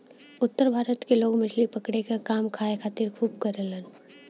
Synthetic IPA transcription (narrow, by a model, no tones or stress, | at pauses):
ʊt̪ːəɾbʱaːɾət̪keloːɡmɪd͡ʒlipəkɽekakaːmkʰaːekʰaːt̪ɪɾkʰuːbkəɾələn